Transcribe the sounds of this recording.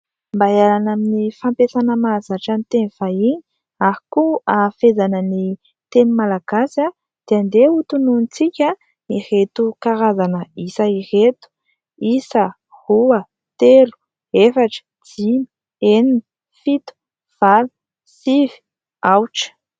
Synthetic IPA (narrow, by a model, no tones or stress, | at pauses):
mbajalanaminifampesanəmazaʈ͡ʂant̪eniv̥aiɲ | ahikuafezanəni | t̪enumalaɡ̥asja | d̪̥eand̪eut̪ununit͡sikʲa | iret̪ukaɾazanəisairet̪u̥ | isə | huə | t̪elu̥ | efaʈ͡ʂə̥ | d͡zimi̥ | enini | fit̪u̥ | v̥al | sivi̥ | awʈ͡ʂə̥